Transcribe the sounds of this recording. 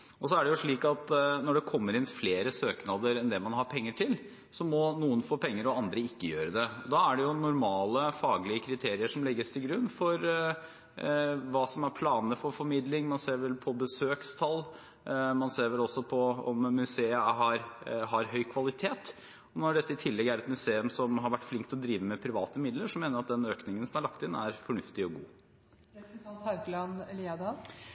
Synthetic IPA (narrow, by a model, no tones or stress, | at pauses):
ɔs̬ɔæɖɛjʊʂɭiːkɑt̪nɔɖɛkʰɔmːəɾɪnfleːɾəsøːknɑd̪əɾɛnd̪ɛmɑnhɑɾpʰɛŋːəʈʰɪl | sɔmɔnuːənfoːpʰɛŋːəɾɔɑnd̪ɾəɪkːəjøːɾəd̪ɛɔd̪ɑæɖɛjʊnʊɾmɑːləfɑːɡlɪəkʰɾɪt̪ʰeːɾɪəʂɔmlɛɡːəst̪ʰɪlɡɾʉnːfɔɾ | ʋɑːsɔmæɾpʰlɑːnəfɔɾfɔɾmɪd̪lɪŋmɑnseːɾʋɛlpʰɔbəsøːkst̪ʰɑl | mɑnseːɾʋɛlɔsːɔpʰɔɔmːʉseːəɦɑɾɦɑɾɦœʏkʰʋɑlɪt̪ʰeːt̪ | ɔnɔɖɛt̪ːəɪt̪ʰɪlːɛɡæɾɛt̪mʉseːʉmsɔmɦɑɾʋæʈːflɪŋk̚t̪ɔd̪ɾiːʋəmɛpʰɾɪʋɑːt̪əmɪd̪ləʂɔmeːnəɾɑt̪̚d̪ɛnøːknɪŋənsɔmhɑɾɭɑk̚t̪ɪnːæɾfɔɳʉft̪ɪɔɡṵː | t̪ʰaʉɡlɑnɛliːɑd̪ɑ